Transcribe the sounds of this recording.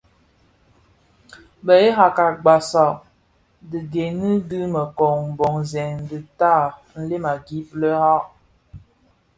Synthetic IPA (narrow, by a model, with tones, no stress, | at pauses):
bə˨e˦ɦa˨ka˨ɡ͡ba˨sa˨ʔ | di˨ɡe˨ŋɨ˦dɨ˦mə˨kɔ˨ŋm̩˨bɔ˨ŋzɛ˨ŋ˦dɨ˨ta˦˨ | n̩˦le˦ma˨ɡi˦p̚lə˦ha˦ʔ